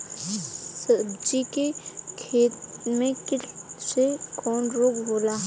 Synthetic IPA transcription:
sɐbd͡ʒikekʰeːt̪mẽkɪsekɔːnɾoːɡboːlaɦ

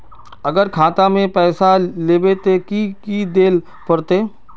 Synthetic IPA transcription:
ɐɡəɾkʰaːt̪amẽpɛːsaleːbet̪ekikid̪eːl | pɐɾt̪eː

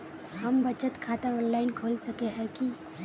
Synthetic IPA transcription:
həmbət͡ʃət̪kʰaːt̪əɔnlaːɪnkʰolsəkeɦɛ̃ki

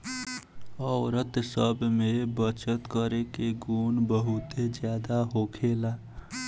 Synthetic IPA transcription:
ɔʊɾət̪səbʱmebət͡ʃət̪kəɾekeɡunbəɦut̪ed͡ʒjad̪aɦokʰela

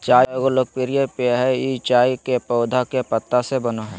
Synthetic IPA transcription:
t͡ʃaːɡoloːɡ̚pɪɾijepeɦɛit͡ʃaːjkepɔʊd̪ʱakepət̪ːasebənoɦɛ̃ː

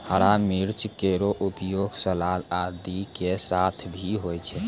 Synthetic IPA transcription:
həɾamiɾt͡ʃkeɾoʔupjoɡsəlalad̪ikesat̪ʰbʱiɦojt͡ʃʰɛ

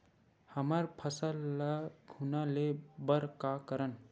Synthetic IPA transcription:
həməɾpʰəsəlːəɡʱunalebəɾkakəɾən

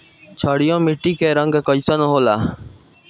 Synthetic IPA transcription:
t͡ʃʰɔɽijõmiʈikeɾʌŋɡkɔjsɔnɔɦola

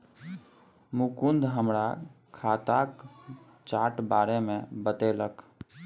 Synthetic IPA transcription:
mukund̪ʱɦəmɾakʰat̪ak | t͡ʃaʈbaːɾemẽbət̪elək

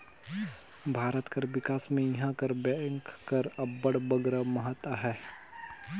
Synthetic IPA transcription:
bʱaːɾət̪kəɾʋɪkaːsmẽjɐɦãkəɾbəŋkkɐɾɐbːəɽbəɡɾəməɦət̪ːəɦɛː

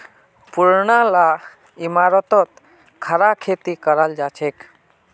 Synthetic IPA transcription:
puɾɳala | imaɾɔt̪ɔt̪ | kʰəɾakʰet̪ikəɾald͡ʒat͡ʃʰek

